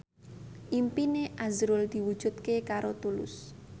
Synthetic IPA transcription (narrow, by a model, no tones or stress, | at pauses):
ʔimpineʔazɾʊld̪̥i̤wud̥ʒ̥ṳt̪̚kekaɾot̪ulʊ̰s